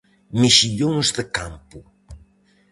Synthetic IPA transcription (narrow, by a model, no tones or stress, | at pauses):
miʃiʎõŋzðəkampu